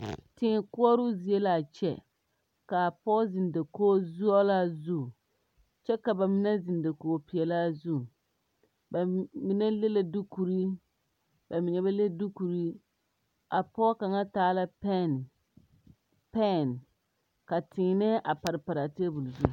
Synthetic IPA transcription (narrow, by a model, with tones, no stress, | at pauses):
tɪ˨kʊ˦ɔ˦ɾʊ˦zi˨e˦la˨t͡ʃɛ̰˦ | ka˨pɔ˦zi˨n˨da˨koː˦zu˦ɔ˦la˦zu˦˨ | t͡ʃɛ˦ka˨ba˨mɪ˦nɛ˦zi˨nda˨koː˨˦pi˨ɛ˨la˦zu˦˨ | ba˨mi˦nɛ˦le˦la˦du˦ku˨ɾi˦ | ba˨mɪ˨ɲɛ˨ba˦le˦du˦ku˨ɾi˦ | a˨pɔ˦ka˨ŋa˦taː˦la˦p | pɛ˦˨n | ka˨tɪː˨nɪ˦ʔa˨pa˨ɾɪ˨pa˨ɾa˨te˦bu˨lzu˦˨